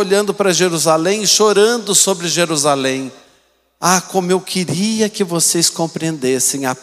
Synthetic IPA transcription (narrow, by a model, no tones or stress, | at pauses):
oʎɐ̃nd̪ʊpɾɐʒeɾuzalẽj̃ʃoɾɐ̃nd̪ʊsobɾɪʒeɾuzalẽj̃ | akõmʊewkʰɪɾiɐkɪvoseskõmpɾiẽnd̪esẽj̃a